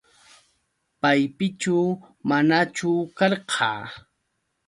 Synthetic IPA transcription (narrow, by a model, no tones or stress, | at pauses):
pajpɪt͡ʃa | manat͡ʃʊkɑɾqʰɑ̰ː